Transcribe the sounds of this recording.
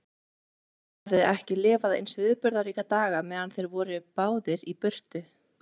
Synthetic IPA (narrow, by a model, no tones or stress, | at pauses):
avðɪɛhcɪlɪːvaðḛjnsvɪːðpʏɾðaɾiːkat̪aːɣamɛːðanθejɾvɔːɾɪpaːwðɪɾipʏr̥t̪ʏ